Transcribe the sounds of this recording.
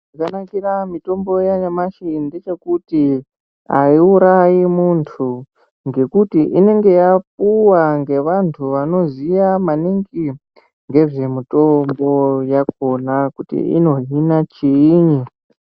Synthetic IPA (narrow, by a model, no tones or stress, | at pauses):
ʐakanakiramito̞mbo̞jaɲamaʃinndet͡ʃe̞kuti | a̰iuɾajimuntʰu | ŋɡe̞kutiʔine̞ŋɡe̞jap̚uwaŋɡe̞ʋantʰuʋano̞zijamaniŋɡi | ŋɡe̞ʐe̞mito̞mbo̞jak̚o̞nakutḭḭno̞ɦinat͡ʃiɲi